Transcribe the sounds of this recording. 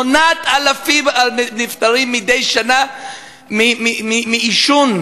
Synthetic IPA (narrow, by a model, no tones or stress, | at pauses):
onat̪alafimanift̪aʁimːid̪ejʃana | mimimimiːʃun